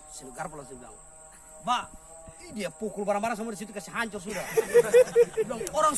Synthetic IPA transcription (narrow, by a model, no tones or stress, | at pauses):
sinuɡarpɔlasimuɡa̰ŋ̰ | ba | diapukulbaɾaŋbaɾaŋs̬amuadis̬it̪ukasɛɦaɲt͡ʃɔrs̬uda | dɔŋɔɾaŋ